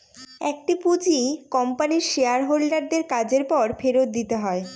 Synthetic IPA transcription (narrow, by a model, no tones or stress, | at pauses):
ɛk̚ʈipud͡ʑikɔmpaniɾʃeaɾɦolɖaɾd̪eɾkad͡ʑeɾpɔɾfʰeɾot̪̚d̪it̪eɦɔe